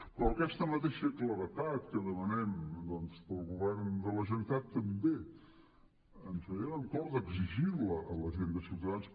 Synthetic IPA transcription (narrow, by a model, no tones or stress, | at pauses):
pɾɔəkɛst̪əmət̪eʃəkləɾət̪at̪̚kəðəmənɛmd̪ɔnspəlˠɣuβɛrnd̪ələʒənit̪at̪ːəmbe | ənsəeɾəŋkɔɾðəɡziʒiβləʔələzind̪əsut̪əðans